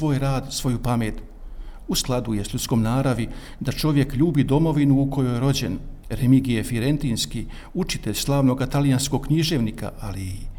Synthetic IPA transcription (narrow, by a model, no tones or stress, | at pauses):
ʋo̞ːjɾaːd̪sʋo̞jupame̞ːt̪ | usklˠad̪ujesʎʲut̪sko̞mnaːɾaʋi | d̪at͡ʃo̞ʋje̞kʎuːbid̪o̞mo̞ʋinuːko̞jojeɾo̞d͡ʑe̞̰nɾemiɡijefiɾe̞nt̪iːnski | ut͡ʃi̥t̪eʎʲslˠaːʋno̞ɡat̪alijansko̞ɡkɲiʒe̞ʋnika̰ʔaliː